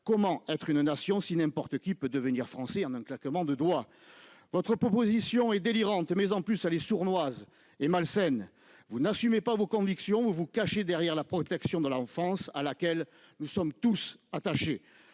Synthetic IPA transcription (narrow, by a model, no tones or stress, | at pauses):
kɔmɑ̃ɛt̪χynnasjɔ̃sinɛ̃pɔʁt̪əkʲipød̪əvəniʁfχɑ̃sɛɑ̃nɛ̃klakəmɑ̃d̪əd̪wa | vɔt̪χəpɔpɔzisjɔ̃ɛd̪eliʁɑ̃t̪mɛzɑ̃plysalesuʁnwaz | emalsɛn | vunasymepavokɔ̃viksjɔ̃uvukaʃed̪ɛʁjɛʁlapχɔt̪ɛksjɔ̃d̪əlɑ̃fɑ̃salakɛl | nusɔmt̪usat̪aʃe